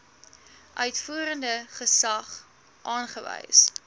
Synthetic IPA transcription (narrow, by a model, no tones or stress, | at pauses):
ʔœɥtfuəɾəndəχəsɐχ | ʔɑːnχəvɛ̰js